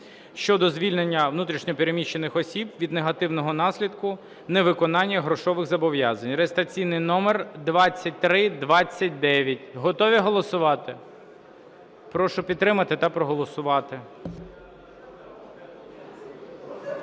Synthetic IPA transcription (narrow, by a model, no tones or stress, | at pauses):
ʃt͡ʃɔd̪ɔzʲʋʲilʲnenʲːɐʋnut̪ɾʲiʃnʲɔpʲeɾemʲiʃt͡ʃːenɪxɔsʲibʋʲid̪neɦɐt̪ɪwnɔɦɔnɑsʲlʲid̪kʊ | nɛʋɪkɔnɑnʲːɐɦɾɔʃɔʋɪɣzɐbɔʋjɑzɐnʲreest̪ɾɐt͡sʲijnɪjnɔmerd̪ʋɑt͡sʲːɐt̚ʲt̪ɾɪd̪ʋɑt͡sʲːɐt̚ʲd̪ɛʋʲjɐtʲɦɔt̪ɔʋʲiɦɔlˠɔsʊʋɑt̪ɪ | pɾɔʃʊpʲid̪t̪ːɾɪmɐt̪ɪt̪ɐpɾɔɦɔlˠɔsʊʋɑt̪ɪ